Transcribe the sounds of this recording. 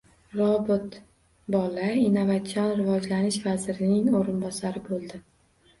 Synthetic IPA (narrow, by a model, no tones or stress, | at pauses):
ɾɒbɪt̪ | bɒlainovat̪sʰijɒnɾɪvɒd͡ʒlanɪʃvazɾɪnɪŋoɾɪnbɒsaɾɪbolˠd̪ɪ